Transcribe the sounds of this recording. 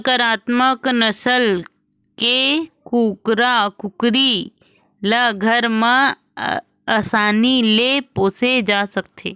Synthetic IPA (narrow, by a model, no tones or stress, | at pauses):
kəɾaːt̪məknəsəl | kekuːkɾakʊkɾi | ləɡʱəɾmə̃ | aːsaːnilepoːsed͡ʒaːsɐkt̪ʰḛː